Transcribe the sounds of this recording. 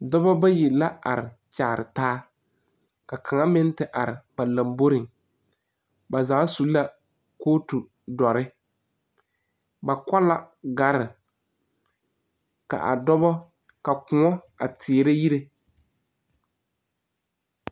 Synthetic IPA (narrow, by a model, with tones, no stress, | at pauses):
dɔ˦bɔ˦ba˦jɪ˨la˦a̰˨ɾɪ̰˨ | t͡ʃaː˨ɾɪ̰˨taː˦ | ka˨kʰa˨ŋa˦mɪ˦n˦tɪ˨ʔa˨ɾɪ˨ba˨la˨mbo˦ɾɪ˨ŋ | ba˨za˨˦su˨˦la˦ | koː˦tu˨ | dɔ˨ɾɪ˦ | ba˨ka˦la˦ | ɡa˨ɾɪ˨ | ka̰˨ʔa̰˨dɔ˦bɔ˦ | ka˨kʊ˨ɔ˦ | a˨tʰɪː˨ɾɪ˦ji˦ɾe˦